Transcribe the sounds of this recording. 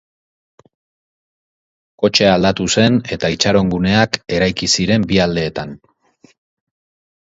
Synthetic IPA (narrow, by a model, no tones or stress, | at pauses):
ko̞t͡ʃe̞ald̪at̪use̞ne̞t̪ait͡ʃaɾo̞ŋɡune̞ake̞ɾajkisiɾe̞mbiald̪e̞ːt̪an